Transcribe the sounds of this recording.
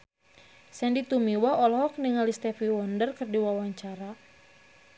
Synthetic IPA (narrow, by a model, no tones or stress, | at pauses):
sɛndit̪umiwaɔlɔhɔk̚niŋalist̪ɛfiwɔndərkɨrdiwawaɲt͡ʃaɾa